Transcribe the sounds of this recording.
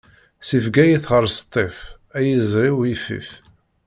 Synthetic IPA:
sifɡæjiθʁəɾˤst̪ˤːef | æjizɾiwjifḭf

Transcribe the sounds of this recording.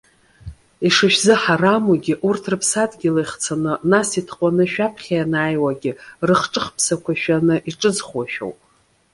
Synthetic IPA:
iʂɨʃᶣzɨħaramuɡʲɪʔurtʰrɨpʰsadɡʲɪlajχt͡sʰanɨnasitʰqʷʼanɨʃᶣapʰχʲajanaːjwaɡʲɪrɨχʈ͡ʂʼɨχpʰsakʷʰaʃᶣanɨʔiʈ͡ʂʼɨd͡zχwaʃᶣo̰wpʼ

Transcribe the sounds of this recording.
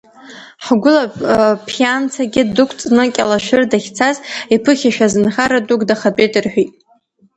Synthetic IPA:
ħɡʷʊlapʰjant͡sʰaɡʲɪdɨkʷʰt͡sʼnɨkʲʼalaʃʷᶣɨrdaχʲt͡sʰazipʰɨχʲaʃᶣazɨnχaɾadʼukdaχapʼedʼɨrħʷᶣitʼ

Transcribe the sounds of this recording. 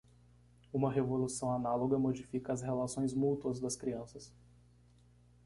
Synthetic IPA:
ũmɐɦevolusɐ̃w̃analoɡɐmod͡ʒifikɐːshelasõj̃zmut̪uɐzd̪ɐskɾiɐ̃sɐs

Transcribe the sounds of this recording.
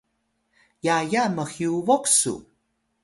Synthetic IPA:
jajaməxiuvoksṵ

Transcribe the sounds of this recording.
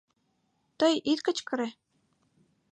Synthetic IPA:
t̪ɤjit̪kə̆t͡ɕkɤ̆ɾe

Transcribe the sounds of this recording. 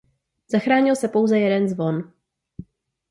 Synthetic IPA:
z̥axɾaːɲɪlsɛpo̞wzɛjɛdɛnzvo̞n

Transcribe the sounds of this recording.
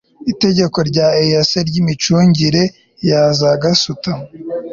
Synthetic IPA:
ite̞ɟe̞ko̞ɾɟaːejaseɾɟimit͡ʃuːɲɟiɾe̞ | jaːzaɡasuta

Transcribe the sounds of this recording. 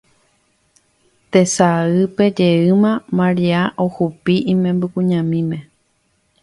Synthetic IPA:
t̪e̞saɨpe̞d͡ʒe̞ɨmãmãɾiaʔohupiʔĩmẽmbɨkũɲãmĩmẽ̞

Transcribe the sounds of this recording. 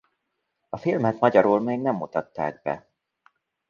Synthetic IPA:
ɒfilmɛt̪mɒɟɒɾuːlmeːɡnɛmːut̪ɒt̪ːaːɡ̚bɛ̰

